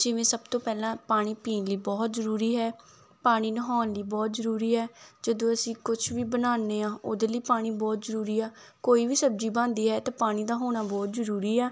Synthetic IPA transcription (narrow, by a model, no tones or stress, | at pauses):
d͡ʒɪʋẽːsəbt̪õːpɛːlãːpaːɽ̃iːpiːnliːbɔːt̪zəɾuːɾiːɦɛː | paːɽ̃iːnəɦɔːnliːbɔːt̪zəɾuːɾiːɦɛːd͡ʒəd̪õːəsĩːkʊt͡ʃʰʋiːbənaːnːeːãːʔoːd̪eːləiːpaːɽ̃iːbɔːt̪zəɾuːɾiːɛː | koːiːʋiːsəb̚d͡ʒiːbãːnd̪iːɦɛːt̪ãːpaːɽ̃ĩːd̪aːɦoːɽ̃aːbɔːt̪zəɾuːɾiːɛː